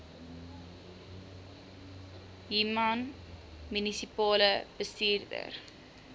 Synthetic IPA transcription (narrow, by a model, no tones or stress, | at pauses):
jimɐn | mynisipɑːləb̥əstiːrdə̰r